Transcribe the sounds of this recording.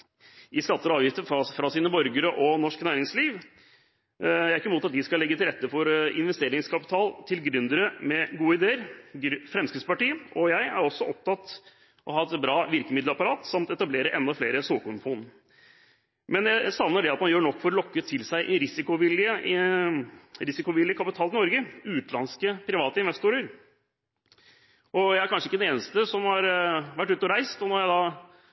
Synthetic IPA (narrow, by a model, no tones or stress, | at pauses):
ɪskɑt̪ːəɾɑːʋjɪft̪əfɾɑsiːnəbɔɾɡəɾəʔɔnɔʂknæːɾɪŋsliːʋ | jæɪæɾɪkːəmuːt̪ɑt̪̚d̪ɪskɑlɛɡːət̪ɪlɾɛt̪ːəfɔɾɪ̰nʋɛst̪eːɾɪŋskʰɑpɪ̥t̪ʰɑːlt̪ʰɪlɡɾʉnd̪əɾəmɛɡuːəɪd̪eːəɾɾfɾɛmskɾɪt̪spɑʈiːʔɔjæɪæ̰ɾɔsːɔʔɔp̚t̪ʰɑt̪ | ʔɔɦɑːɛt̪bɾɑːʋɪɾkəmɪd̪ləɾɑpɑɾɑːt̪sɑmt̪ɛt̪ɑbleːɾəʔɛnd̪ɑfleːɾəsuːkʊnpʰʊn | mɛnjæɪsɑnnəɖɛɑt̪mɑnjøːɳɔkːfɔɾɔlɔkːət̪ʰɪlsæɪʔɪɾɪsɪkʊʋɪlːɪə | ɾɪsɪkʊʋɪlɪəkʰɑpɪt̪ʰɑːlɪnɔɾɡəʉːt̪lɑnskəpʰɾɪʋɑːt̪əɪnʋɛst̪uːɾəɾ | ʔɔjæɪæɾkʰɑnʂəɪkːəd̪ɛneːnəst̪əsɔmhɑɾʋæʈːʉːt̪ɔɾæɪst̪ɔnɔɾjæɪd̪ɑː